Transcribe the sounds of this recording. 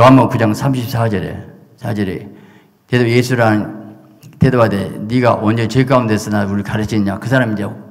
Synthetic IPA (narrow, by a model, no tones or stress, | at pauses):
ʌɦamʌnkud͡ʑaŋsʰamɕʰip̚sʰad͡ʑʌɾe̞̰ | sʰad͡ʑʌɾe | t̪edojesʰuɾan | tedowadḛniɡa̰ʔond͡ʑet͡ɕek̬͈aundes͈ɯnauɯɭkaɾɯt͡ɕʰinɲakɯsʰaɾamid͡ʑa